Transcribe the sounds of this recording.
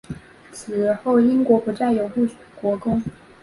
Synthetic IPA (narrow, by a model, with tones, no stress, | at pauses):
t͡sʰɹ̩˨˩xo˥˩ʊi˥ŋkwɔ˧˥pu˧˥t͡sa˥˩ɪjo˧˥ʊxu˥˩˨kwɔ˧˥kʊ˥ŋ